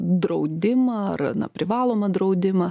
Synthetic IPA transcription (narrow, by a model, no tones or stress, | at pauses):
d̪ɾɐʊd̪ʲɪmɐɐrnɐ̰pʲɾʲɪʋɑːlˠoːmɐd̪ɾɐʊd̪ʲɪmɐ